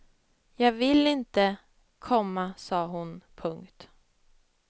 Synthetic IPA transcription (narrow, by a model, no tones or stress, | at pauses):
jɑːɡvɪlɪnt̪ə | kʰɔmːasɑːɦʊnpʰɵŋkt̪